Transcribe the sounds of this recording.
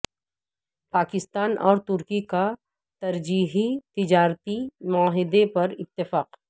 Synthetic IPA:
paːkɪst̪aːnɔːɾt̪ʊɾkika | t̪ɐɾd͡ʒiːɦit̪ɪd͡ʒaːɾt̪imʊaɦɪd̪epɐɾɪt̪ːɪfaːq

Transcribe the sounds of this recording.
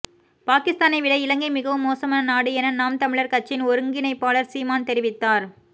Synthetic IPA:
paːkɪst̪aːnɐɪʋɪɭɐɪɪɭɐŋɡɐɪmɪɣɐʋɯmːoːsɐmaːnɐnaːɽɯɛnɐnaːmt̪ɐmɪɭɐɾkɐt͡ʃːɪnɔɾɯŋɡɪnɐɪpːaːɭɐɾsiːmaːnt̪ɛɾɪʋɪt̪ːaːɾ

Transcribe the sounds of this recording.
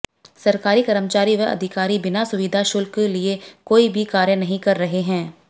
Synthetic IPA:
sɐɾkaːɾikɐɾəmt͡ʃaːɾiʋeɐ̰d̪ʱɪkaːɾibɪnasʊʋid̪ʱaʃʊlkeliekoːibʱikaːɾjənɐɦĩkɐɾːɐɦeɦɛ̃ː

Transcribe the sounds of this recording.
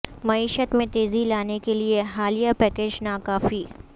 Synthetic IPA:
mɐiːʃət̪mẽt̪eːzilaːnekelieɦaːlijapɛːkeːd͡ʒnaːkaːfiː

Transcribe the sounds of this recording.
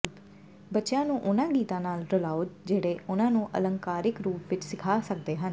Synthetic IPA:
bətːʃjãːnũːʔʊnãːɡiːt̪ãːnaːlɾəlaːoːd͡ʒeːɽeːʊnãːnũːʔə̰lə̃ŋkaːɾɪkɾuːpʋɪt͡ʃsɪkʰaːsək̚d̪eːɦən

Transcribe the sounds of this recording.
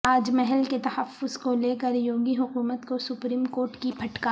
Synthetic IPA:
aːd͡ʒmɛɦɛlket̪ɐhɐfːʊzkoleːkəɾjoːɡiɦʊkuːmət̪kosʊpɾiːmkoːɾʈkibʰʱɐʈkaː

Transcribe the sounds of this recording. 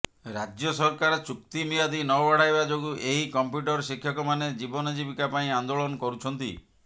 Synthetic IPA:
ɾad͡ʒjɔsɔɾkaɾɔt͡ʃukt̪imijad̪inɔbaɽ̤ajbad͡ʒoɡuʔeɦikɔmpjuʈɔɾʃikʰːjɔkɔmaned͡ʒibɔnɔd͡ʒibikapaĩand̪olɔnɔkɔɾut͡ʃʰɔnt̪ḭ

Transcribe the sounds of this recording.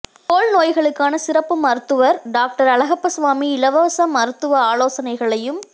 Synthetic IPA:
k̪oːɭnoːjɣɐɭɯkːaːnɐsɪɾɐpːɯmɐɾɯt̪ːɯʋɐɾɖaːk̚ʈɐɾɐlɐɣɐpːɐsʋaːmiɪlɐʋɐːsɐmɐɾɯt̪ːɯʋɐaːloːsɐnɐɪɣɐɭɐjɯm

